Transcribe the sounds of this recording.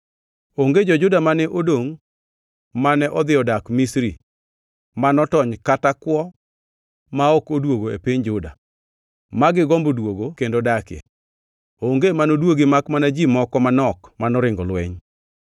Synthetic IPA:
oŋɡed͡ʒɔd͡ʒʊdamanɛʔodoŋ | manɛʔɔd̪ɪɔdakmisɾi | manɔtɔɲkatakwɔ | maɔkodwoɡoḛpiɲd͡ʒʊda̰ | maɡɪɡɔmbodwoɡokendodakɪjɛ̰ | oŋɡemanodwoɡemakmanad͡ʒimɔkɔmanɔkmanɔɾɪŋɡɔlwɛ̰ɲ

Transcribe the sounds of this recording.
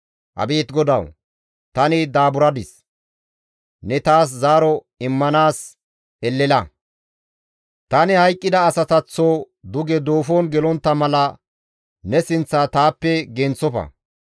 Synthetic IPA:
ʔɐ̰beːt̪ɡɔd̪ɐw | t̪ɐnɪd̪aːbʊɾɐd̪ɪs | nɛt̪aːs̬zaːɾɔ | ɪmːɐnaːs | ɛlːɛlɐ | t̪ɐnɪhɐjkʼːɪd̪ɐːsɐt̪ɐt͡sːoː | d̪ʊɡɛd̪o̞ːfoːnɡɛlɔnt̪ːɐmɐlɐ | nɛsɪnt͡sːat̪aːpːɛɡɛnt͡sːɔfɐ̰

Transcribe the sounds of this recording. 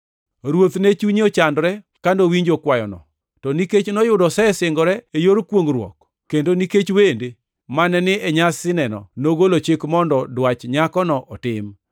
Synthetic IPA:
ɾwot̪net͡ʃuɲot͡ʃandɾɛ | kandowiɲd͡ʒokwajɔ̰nɔ̰ | tɔniket͡ʃnɔjʊdɔsɛsɪŋɡɔɾɛejoɾkwoŋɾwɔ̰k | kːendoniket͡ʃwende | manɛnɪɛɲasɪnɛnɔ̰noɡolot͡ʃɪkmɔndɔdwat͡ʃɲakɔnɔʔɔtɪm

